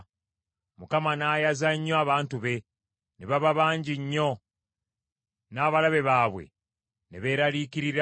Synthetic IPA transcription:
mukamanaːjazaɲːoaβaːntuβe̞ | neβaβaβaːɲɟiɲːo̞ | naːβalaβe̞βaːβwe̞̰ | neβe̞ːɾaliːkiɾiɾ

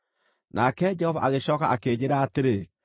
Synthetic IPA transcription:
nʔakɛd͡ʒɛhɔvaʔaɣeɕɔːkaʔakeːd͡ʑeɾaːteɾe

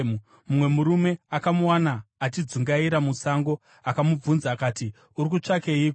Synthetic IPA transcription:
u | mumwe̞muɾume̞akamuwanaːtid͡zuŋɡaiɾamusaŋɡo̞ | akamub͡vunzaːkaːti | uɾik̬ut͡ʂake̞iːko

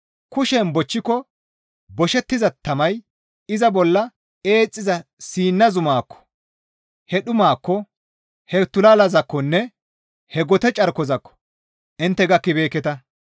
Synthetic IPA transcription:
kʊʃɛnbɔt͡ʃːɪkɔ | bɔʃɛt̪ːɪzɐt̪ːɐmɐj | ɪzɐbɔlːɐ | eːt͡sʼːɪzɐsiːnːɐzʊmaːkːɔ̥ | hɛɗʊmaːkːɔ | hɛt̪ʊlɐlɐzɐkːɔnːɛ | hɛɡɔt̪ɛt͡ʃʼɐɾkɔzɐkːɔ̥ | ʔɪnt̪ːɛɡɐkːɪbe̞ːkːɛt̪ɐ

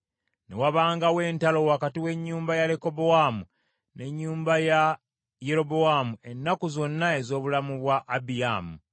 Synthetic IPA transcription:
ne̞̰waβaːŋɡawe̞ːntalo̞wakatiwe̞ɲːuːmbajale̞ko̞bo̞wamu | ne̞ɲːuːmbaja | je̞ɾo̞boamue̞nːakuzo̞nːae̞zo̞ːβulamuβwaʔːbijaːmu

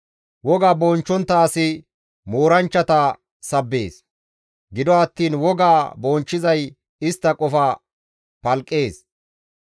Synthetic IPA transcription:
wɔɡaːboːnt͡ʃːɔnt̪ːɐːsɪ | moːɾɐnt͡ʃːɐt̪a | sɐbːe̞ːs | ɡɪd̪ɔɐt̪ːiːnwɔɡaːbɔːnt͡ʃːɪzɐj | ɪst̪ːɐkʼɔfa | pɐlkʼːe̞ːs

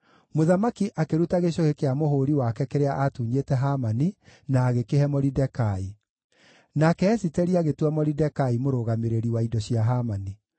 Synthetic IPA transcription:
moðamakiʔakeɾutaɣeɕ̬ohekeamohoɾiwakɛkeɾeaʔatuːɲetɛɦamaninaːɣekeɦɛmɔɾidɛkai | nakɛːsitɛɾiaɣetwɛmɔɾidɛkaimoɾoːɣameɾeɾiwaidɔɕiaɦamani

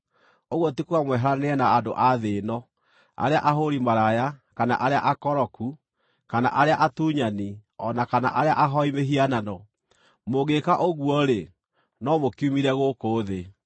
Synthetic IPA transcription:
oɣwotikuamwɛɦaɾaneɛnaːdoʔaðenɔ | a̰ɾeaʔaɦoɾimaɾajakana̰ʔaɾeaʔakɔɾɔku | kana̰ʔaɾeaʔatuɲaniɔnakana̰ʔaɾeaʔaɦɔimeɦiananɔ | moɣekaʔoɣuɔɾe | nɔmokiumiɾɛɣokoːðe

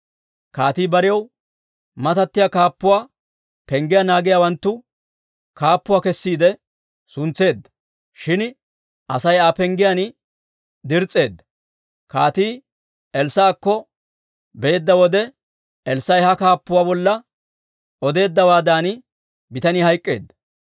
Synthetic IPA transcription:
kaːt̪iːbɐɾɪjɐw | mɐt̪ɐt̪ːɪjaːkaːpːʊwaː | pɛŋɡɪjanaːɡɪjaːwɐnt̪ːʊ | kaːpːʊwaːkɛsːiːd̪ɛ | sʊnt͡sːe̞ːd̪ːɐ̥ | ʃɪn | ʔɐsɐjaːpɛŋɡɪjan | d̪ɪɾt͡sʼːe̞ːd̪ːɐ̥ | kaːt̪iː | ɛlsːaːkːɔ | beːd̪ːɐwɔd̪ɛ | ɛlsːɐjhɐkaːpːʊwaːbɔlːɐ | ʔɔd̪e̞ːd̪ːɐwaːd̪aːn | bɪt̪ɐniːhɐjkʼːe̞ːd̪ːɐ̥

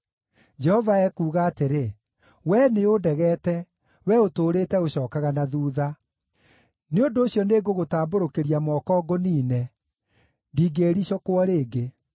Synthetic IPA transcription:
d͡ʒɛhɔvaɛkuːɣaːteɾe | wɛneodɛɣɛtɛ | wɛotoːɾetɛoɕɔːkaɣanaðuːða | neondoːɕjɔneːɡoɣotaːmboɾokeɾiamɔːkɔːɡoniːnɛ | ndiːɡeːɾiɕɔkoɔɾeːɡe

